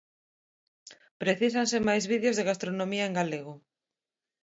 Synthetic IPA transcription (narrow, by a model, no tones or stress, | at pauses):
pɾeθisansɪmajzβiðjozðeɣast̪ɾonõmiɐeŋɡaleɣʊ